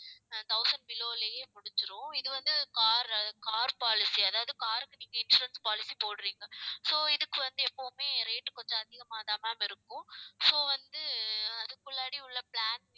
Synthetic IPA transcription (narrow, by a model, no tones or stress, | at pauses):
t̪ɐʊsɐɳɖ̚bɪloːlɐjeːmʊɽɪt͡ʃːɯɾʊ̃ɪðɯʋɐnd̪ɯkaːɾɐkaːɾpaːlɪsiɐðaːʋɐðɯkaːɾɯkːɯniːŋɡɐɪnsʊɾɐnspaːlɪsipoːɽɯɾiːŋɡɐsoːɪðɯkːɯʋɐnd̪ɯɛpːoːmeːɾeːʈːkɔnd͡ʒɐ̃ɐðɪɣɐmaːðamaːmɐɪɾɯkːʊ̃soːʋɐnd̪ɯɐðɯkːʊɭːaːɽiʊɭːɐpɭaːn